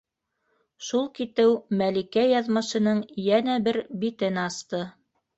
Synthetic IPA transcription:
ʃulˠkit̪ɘwmælikæjɑðmɤ̆ʃɤ̆nɤɴjænæbɘɾbit̪ɘnɑst̪ɤ

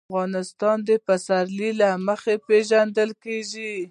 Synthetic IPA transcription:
ɣɑnɪst̪ɑnd̪əpasaɾlilaməxepeʒand̪əlkeʒi

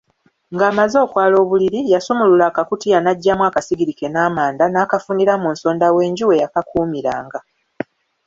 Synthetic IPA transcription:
ŋɡaːmazo̞ːkwaːlo̞ːβuliɾijasumululaːkakutijanaɟːamwakasiɡiɾike̞naːmaːndanaːkafuniɾamuːnso̞ːndawe̞ːɲɟiwe̞jakakʰuːmiɾa̰ːŋɡa

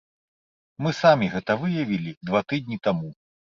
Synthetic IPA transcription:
mɨsamʲiɣɛt̪ɐvɨjɐvʲilʲid̪vat̪ɨd̪̚ʲnʲit̪amu

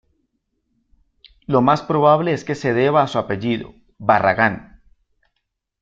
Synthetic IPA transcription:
lo̞maspɾo̞β̞aβleeske̞se̞ðe̞βaːsuape̞ʝiðo̰ | βara̰ɣan

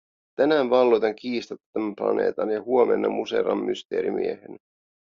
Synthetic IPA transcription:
t̪ænæːnʋɑlːojt̪ɑŋkiːst̪ɑt̪ːæmæplɑ̰ne̞̰ːt̪ɑnjɑhuomḛnːɑmuse̞̰ɾɑmːyst̪e̞̰ːɾḭmḭehen

